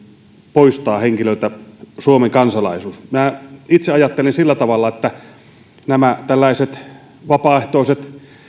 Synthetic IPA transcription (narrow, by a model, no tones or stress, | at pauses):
poist̪ɑːheŋkiløˑit̪æsuomeŋkɑnsɑlɑ̰ˑisuːsminæit̪seɑjɑt̪ːelinsilːæt̪ɑʋɑlːɑet̪ːæ | næmæt̪ælːæˑeset̪ | ʋɑpɑːˑeht̪oˑiset̪